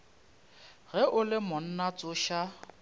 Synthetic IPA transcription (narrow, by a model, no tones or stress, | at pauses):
ɣɛʔʊlɪmʊn̩nat͡sʼʊʃa